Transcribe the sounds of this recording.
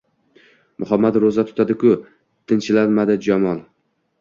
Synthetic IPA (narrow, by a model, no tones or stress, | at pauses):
mʊɦamːat̪ɾozat̪ʰʊ̥t̪ʰad̪ɪkʰʊ | t̪ʰɪnt͡ʃʰɪlaɾmad̪ɪd͡ʒamɒlˠ